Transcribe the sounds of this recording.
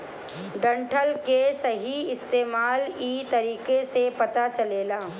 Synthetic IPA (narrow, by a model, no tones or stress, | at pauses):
ɖɐ̃ɳʈʰəlkesɐɦiɪst̪eːmaːliːt̪ɐɾiːkesepɐt̪at͡ʃɐleːlaː